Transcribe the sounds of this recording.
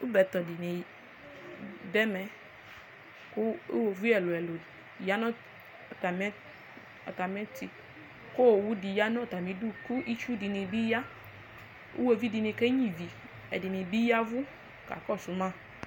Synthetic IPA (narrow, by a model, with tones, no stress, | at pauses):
u˦bɛ˨˦t̪ɔ˨di˨ne˨ | dɛ˦mɛ˨ | ku˦wo˨vi˦ɛ˨lo˨ɛ˨lo˨ja˦nɔ̃˦ | a˨ta˨mɛ˦ | a̰˨ta˨mɛ̃˦ti˨ | ko˦wo˨wu˦di˨ja˦nɔ̃˦˨t̪a˨mĩ˨˦du˦ku˦ʔi˦t͡ʃu˦di˨ne˨bi˦ja˦ | ṵ˦wo˨vi˦di˨nẽ˨kɛ˦ɲĩ˦˨vi˨ | ɛ̰˨di˨ne˨bi˦ja˦vu˦ | ka̰˨kɔ˦˨su˨˦mã˦˨